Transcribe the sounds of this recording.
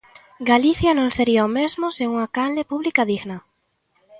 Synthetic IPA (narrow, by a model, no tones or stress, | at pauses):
ɡaliθjanõŋseɾiaomezmoseuŋakalepuβlikaðiɣna